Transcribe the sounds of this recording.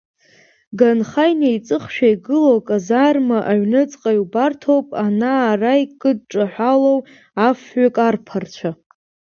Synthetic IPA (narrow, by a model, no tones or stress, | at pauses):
ɡanχajnejt͡sʼɨχʃᶣajɡɨlowkʼazarmaʔaɥnɨt͡sʼqʼajubartʰowpʼanaːrajkʼɨd̚ʈ͡ʂʼaħʷalow | afɥakʼarpʰart͡ʃʷʰa